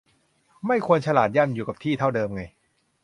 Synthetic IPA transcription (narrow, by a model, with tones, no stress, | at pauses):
ma˥˩jkʰu˧ənt͡ɕʰa˧laː˨˩t̪̚ja˥˩mjuː˨˩ka˨˩p̚t̪ʰiː˥˩t̪ʰa˥˩wdɤː˧mŋa˧j